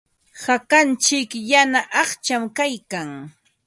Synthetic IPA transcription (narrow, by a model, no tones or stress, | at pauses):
hakant͡ʃɪkjanaʔɑχt͡ʃamkajkaŋ